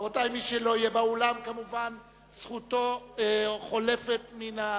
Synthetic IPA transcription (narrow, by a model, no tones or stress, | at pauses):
otajmiʃelo̞ijebaolamkamuvan | sχuto̞ | χo̞le̞fe̞t̪mina